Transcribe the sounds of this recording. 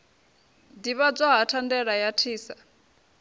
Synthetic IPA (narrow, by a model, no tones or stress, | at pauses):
diβab͡ʐaɦatʰandɛɺajatʰiːsa